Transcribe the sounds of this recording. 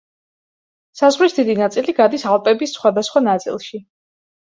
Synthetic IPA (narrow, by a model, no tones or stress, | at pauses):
sazʁlisd̪id̪inat̪sʼiliɡad̪isalˠpʼɛbisːχwad̪asχwanat̪sʼḭlˠʃi